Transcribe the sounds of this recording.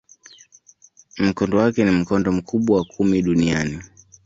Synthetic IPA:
m̩kɔndɔwakɛnim̩kɔndɔm̩kʰuɓwawakʰumiɗuniani

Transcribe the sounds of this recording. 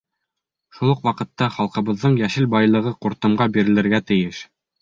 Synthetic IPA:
ʃulˠuqwɑqɤ̆t̪ːɑχɑlˠqɤ̆βɤ̆ðːɤɴjæʃɘlbɑjlˠɤ̆ʁɤquɾt̪ɤ̆mɢɑbiɾɘ̆lɘ̆ɾɡæt̪ɘ̆jɘʃ

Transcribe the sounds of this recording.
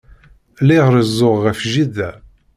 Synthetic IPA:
liʁɾəzːʊʁːəfʒiðæ

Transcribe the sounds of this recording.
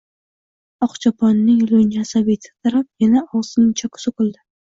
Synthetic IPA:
ɒqt͡ʃʰapʰɒnːɪŋlonasabet̪ʰɪ̥t̪ʰaɾap̚janaɒwsnɪŋt͡ʃʰakʰʊ̥sɪkʊlˠd̪ɪ

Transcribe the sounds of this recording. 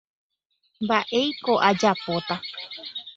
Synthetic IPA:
mbaʔe̞jko̞ʔad͡ʒapot̪a

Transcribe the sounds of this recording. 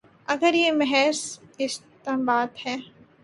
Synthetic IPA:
ɐɡəɾjemɛɦɛːsɪst̪ebaːt̪hɛː

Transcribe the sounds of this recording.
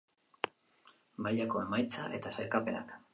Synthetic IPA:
maʎako̞e̞majt͡saʔe̞t̪asajkape̞na̰k

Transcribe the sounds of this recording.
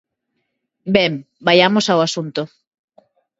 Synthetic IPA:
bɛm | bajamosawasunt̪ʊ

